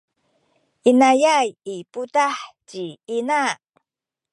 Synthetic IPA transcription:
ʔinajajiputaħt͡ɕiina

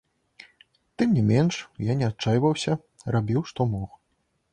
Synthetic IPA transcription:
t̪ɨmnʲimʲɛnʂjanʲɛat̪t͡ʂajvɐwsʲɐ | rabʲiwʂt̪ɔmɔx

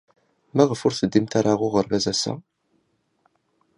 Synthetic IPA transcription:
mæʁəfʊɾθəd̪ːimt̪aɾˤaʁʊʁəɾvæzæsæ̰

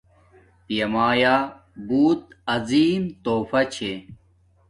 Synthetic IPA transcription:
pijɐmaːjaː | buːt̪̚ɐziːmt̪oːfɐt͡ɕʰe

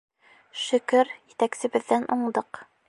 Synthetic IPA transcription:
ʃɵ̆kɵɾjɘ̆t̪æksɘ̆βɘ̆ðːænʔuɴˠd̪ɤq

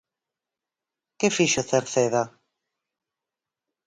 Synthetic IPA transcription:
kefiʃoθeɾθeða

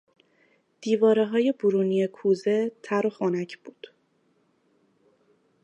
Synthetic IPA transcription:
d̪̥iːvɒːɾeɦɒːje̞buɾuːnijekʰuːze̞t̪ʰæɾoxonæcʰb̥uːd̪̥

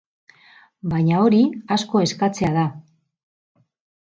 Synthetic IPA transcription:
bajɲao̞ɾiasko̞e̞skat͡se̞aða

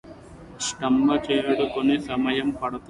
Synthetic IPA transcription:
sʈɐmbɐt͡ʃejɐɽukonesɐmɐjɐmpɐɽɐt̪u

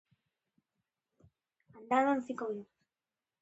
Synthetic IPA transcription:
ald̪aðansikoðu

